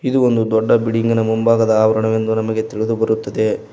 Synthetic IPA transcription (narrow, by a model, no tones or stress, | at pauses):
id̪uond̪ud̪ɔɖːɐbiɽiŋɡɐnɐmumbaːɡɐd̪ɐaːʋɐɾɐɳɐʋe̞nd̪unɐmɐɡe̞t̪iɭid̪ubɐɾut̪ːɐd̪e̞